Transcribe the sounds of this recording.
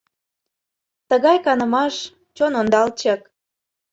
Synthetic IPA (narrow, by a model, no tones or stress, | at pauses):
t̪əɣɑjkɑnəmɑʃ | t͡ɕonond̪ɑlt͡ɕək